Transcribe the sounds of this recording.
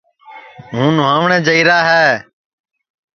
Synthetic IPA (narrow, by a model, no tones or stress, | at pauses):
ɦũːnʊʋãːʋɳɛ̃ːd͡ʒəiːɾaːɦɛː